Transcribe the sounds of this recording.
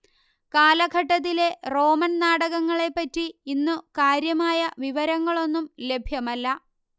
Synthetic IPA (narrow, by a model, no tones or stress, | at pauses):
kaːlɐɡʱɐʈːɐt̪̬ːile̞ro̞ːmɐnnaːɽɐɣɐŋːɐɭe̞pːɐtːiinːukaːɾjɐmaːjɐʋiʋɐɾɐŋːɐɭo̞nːumle̞bʱjɐmɐlːɐ